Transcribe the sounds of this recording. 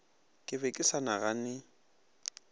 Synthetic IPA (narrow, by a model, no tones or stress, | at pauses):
kʼɪbɛkʼɪsanaɣanɪ